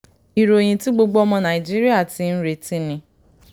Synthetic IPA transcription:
i˨ɾo˨j̃ĩ˧tĩ˦ɡ͡bo˧ɡ͡bo˦ɔ˧mɔ̃˧nã˨i˨d͡ʒi˦ɾi˦a˦˨ti˧n̩˦ɾe˧tĩ˦nĩ˧

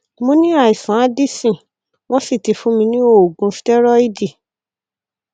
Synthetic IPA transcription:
mõ˦nĩ˦a˨i˨sã˨˦a˦di˦sĩ˨ | w̃ɔ̃˦si˦˨ti˧fũ˨˦mĩ˧nĩ˦o˦˨ɡũ˧˦fi̥˦tɛ˦ɾɔ˦i˦di˦˨

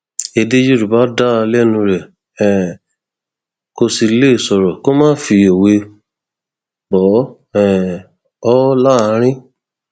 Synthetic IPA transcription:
e˧de˦d͡ʒu˦ɾu˨ba˨˦da˦˧lɛ˦˨nũ˧ɾɛ˨ | ɛ˨ | ko˧si˧˦le˦˨sɔ˧ɾɔ˨ko˦mã˦fi˧e˨we˧ | bɔ˨˦ | ɛ˦˨ | ɔ˦la˦˧˦ɾ̃ĩ˦

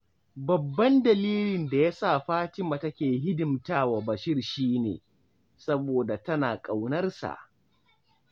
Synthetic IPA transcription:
bɐ˨bːɐ˦ndɐ˨liː˦lɪ˨nda˨ja˦saː˦˨ɸaː˦t͡ʃɪ˦ma˨tɐ˦kʲeː˨ɦɪ˦dɪ˨mtaː˦wa˨bɐ˨ʃɪ˦rʃiː˦nḛː˨ | sɐ˦boː˨da˨tɐ˦naː˨kʼa˨wnɐ˦rsa̰˨ʔ

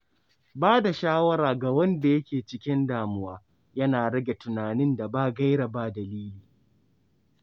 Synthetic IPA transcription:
baː˦da˨ʃaː˦wɐ˦ɾaː˨ɡa˨wɐ˦nda˨jɐ˦kʲeː˨t͡ʃɪ˦kʲɪ˦ndaː˨mʊ˦waː˦ | jɐ˦naː˨ɽɐ˦ɡʲe˨tʊ˨naː˨nɪ˦nda˨baː˦ɡɐ˦jɽa˨baː˦dɐ˨liː˦liː˨

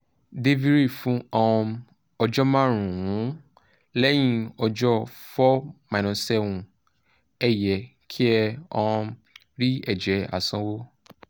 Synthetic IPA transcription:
de˦vi˦ɾi˦˨fũ˨˦ɔ˧ɔ̃˧ | ɔ˧d͡ʒɔ˦mã˦ɾ̃ũ˨wũ˨˦ | lɛ˦j̃ĩ˦ɔ˧d͡ʒɔ˦ | fɔ˦mã˨nɔ̃˨sɛ˦wũ˧ | ɛ˦˨jɛ˨ | kʰi˦ɛ˧ɔ˧ɔ̃˧ | ɾi˦ɛ˦˨d͡ʒɛ˨˦a̰˨sã˦wo˦

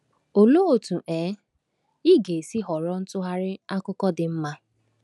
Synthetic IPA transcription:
o˨lo˦o˨tu˨ʔeː˨˦ | i˦ɡe˨si˦ɦɔ˨ɾɔ˦n̩˦tʊ˦ɦa˦ɾɪ˦a˦kʊ˦kɔ˦dɪ˨m̩˦ma˦

